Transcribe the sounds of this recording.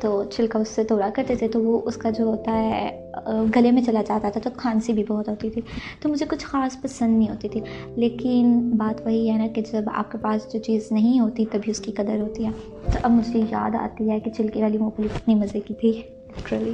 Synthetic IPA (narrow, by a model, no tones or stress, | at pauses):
t̪oːt͡ʃʰɪlkaʊsːet̪oːɾakɐɾt̪et̪ʰet̪oʋoʔʊskad͡ʒoːɦoːt̪aɦɛ | ɡɐlemẽt͡ʃɐlad͡ʒaːt̪at̪ʰat̪okʰaːnsibʱibɐɦɔt̪ɦoːt̪it̪ʰit̪omʊd͡ʒʱekʊt͡ʃʰxaːspɐsə̃nd̪ĩɦoːt̪it̪ʰi | leːkɪnbaːt̪ʋɐɦiɛɛnaked͡ʒɐba̰ːp̚kepaːsd͡ʒoːt͡ʃiːznɐɦĩɦoːt̪it̪ɐbʱiʊskikɐd̪əɾɦoːt̪iɦɛ̃ː | t̪oʔɐbmʊd͡ʒʱija̰ːd̪a̰ːt̪iɦɛket͡ʃʰɪlkeʋaːlimoːpəlɪkɪt̪nimɐzekit̪ʰi | kɾɐʋi